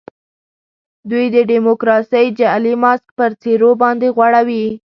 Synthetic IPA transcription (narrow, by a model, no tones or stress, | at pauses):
d̪ujd̪əɖimokɾɑsəjd͡ʒalimɑsk̚pəɾt͡seɾobɑnd̪eɣwaɽawi